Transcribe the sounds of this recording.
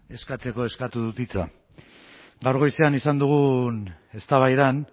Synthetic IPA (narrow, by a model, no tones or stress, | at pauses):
e̞skat͡se̞ko̞e̞skat̪uðut̪it͡sa̰ | ɡawɾɣo̞jseanisand̪uɣ̞une̞st̪aβajðan